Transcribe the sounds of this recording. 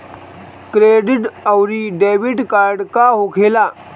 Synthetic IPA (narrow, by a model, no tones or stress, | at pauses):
kɾeɖiʈəwɾiɖeʋiʈkaɾɖkaɦukʰela